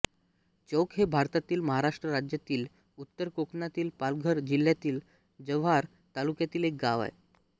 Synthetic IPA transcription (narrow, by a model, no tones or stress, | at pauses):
t͡ɕowkɦebʱaɾt̪at̪iːlməɦaɾaʂʈɾəɾad͡ʑjat̪iːl | ut̪ːəɾkoknat̪iːlpalɡʱəɾd͡ʑil̤ːjat̪iːl | d͡ʑəʋɦaɾ | t̪alukjat̪iːlek̚ɡaʋa̰je